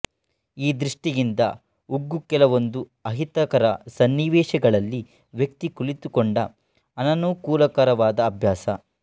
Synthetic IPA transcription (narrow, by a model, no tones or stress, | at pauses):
iːd̪ɾiʂʈijind̪ɐ̰ | uɡːukɛlɐʋo̞nd̪u | ɐɦit̪ɐkɐɾɐ̰sɐnːiʋɛːʃɐɡɐɭɐlːi | ʋjɐk̚t̪ikuɭit̪ukoɳɖɐː | nɐnuːkuːlɐkɐɾɐʋaːd̪ɐːbʱjaːsɐ̰